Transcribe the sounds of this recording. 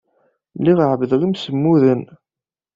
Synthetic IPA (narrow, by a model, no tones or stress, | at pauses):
liʁəʕvðlimsəmːuðən